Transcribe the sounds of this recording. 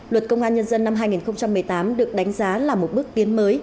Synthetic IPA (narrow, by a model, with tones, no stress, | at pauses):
lwə˨˩t̚kə˧wŋ͡mʔaː˧nɲə˧nzə˧nːa˧mɦaː˧jŋi˨˩nxə˧wŋ͡mt͡ɕa˧mːɨ˨˩əjt̪aː˨˦mɗɨ˨˩ək̚ɗa˨˦jŋ̟zaː˨˦laː˨˩mo˨˩t̚ɓɨ˦˥k̚t̪i˨˦ənməː˨˦j